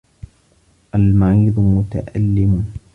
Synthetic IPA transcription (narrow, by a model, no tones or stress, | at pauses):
ʔalmaʕiːd̪ˤmʊt̪a̰ʔa̰lːɪmʊ